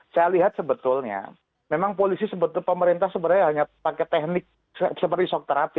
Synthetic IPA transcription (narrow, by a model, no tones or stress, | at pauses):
sajaliɦat̪̚səbət̪ʊlɲa̰ | memaŋpolisisəbət̪ʊlpəməɾint̪ahsəbəɾajɦaɲapakɛt̪ɛhnɪk̚ | səpərdisɔk̚t̪əɾap̪ɪ